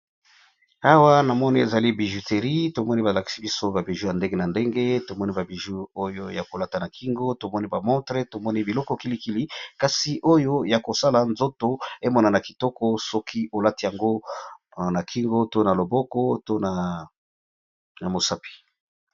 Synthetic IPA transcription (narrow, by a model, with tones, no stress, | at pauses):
a˦wa˦na˨mɔ˦ni˦e˨za˨li˦bi˨ʒu˨te˨ʁi˦to˨mɔ˦ni˦ba˨la˨ki̥˨˦si˦bi˦so˦ba˨bi˨ʒu˦ja˨nde˦ŋɡe˦na˨nde˦ŋɡe˦to˨mɔ˦ni˦ba˨bi˨ʒu˦o˦jo˦ja˨ko˨la˦ta˨na˨kʰi˦ŋɡo˦to˨mɔ˦ni˦ba˨mɔ̃˦tʁe˦to˨mɔ˦ni˦bi˨lɔ˦kɔ˦ki˦li˦ki˦li˦ka˨si˨ʔo˦jo˦ja˨ko˨sa˦la˨nzo˦to˦e˦mɔ˦na˨na˨ki̥˨tɔ˦kɔ˦sɔ˦kʰi˦o˨la˦ti˨ja˨ŋɡo˦ | na˨kʰi˦ŋɡo˦to˦na˨lo˨bɔ˦kɔ˦to˦na˨ | na˨mo˨sa˦pi̥˨